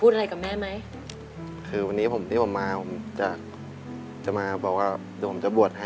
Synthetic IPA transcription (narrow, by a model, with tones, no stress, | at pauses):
pʰuː˥˩t̚a˧ɾa˧jka˨˩p̚mɛː˥˩ma˦˥j | kʰɯː˧wa˧nːiː˦˥pʰo˩˦mt̪ʰiː˥˩pʰo˩˦mːaː˧pʰo˩˦m˦t͡ɕa˨˩k̚ | t͡ɕa˨˩maː˧bɔː˨˩k̚waː˥˩˧pʰo˩˦mt͡ɕa˨˩bu˨˩ət̪̚ha˥˩